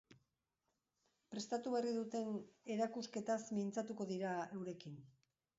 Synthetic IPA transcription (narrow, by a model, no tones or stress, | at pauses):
pɾe̞st̪at̪uβe̞riðut̪e̞ne̞ɾakuske̞t̪asmint͡sat̪uko̞ðiɾaewɾe̞kin